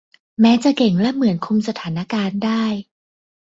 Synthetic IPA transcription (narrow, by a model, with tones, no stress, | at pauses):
mɛː˦˥t͡ɕa˨˩ke˨˩ŋlɛ˦˥mɯ˨˩˦ənkʰu˧ms̬a˧t̪ʰaː˩˦na˧kaː˧ndaː˥˩j